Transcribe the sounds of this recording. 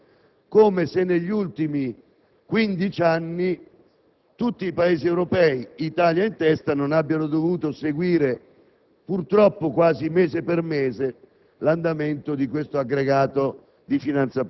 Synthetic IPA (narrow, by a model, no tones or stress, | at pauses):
koːmesenːeʎːult̪imi | kwind̪it͡ʃanːi | t̪ut̪ːiːpaeːziɛwɾopɛːiit̪aːljaint̪ɛst̪anonabːjanod̪ovuːt̪oseɡwiːɾe | purt̪ɾɔpːokwaːzimeːzepermeːze | land̪ament̪od̪ikwest̪oaɡɾeɡaːt̪o | d̪ifinant̪sa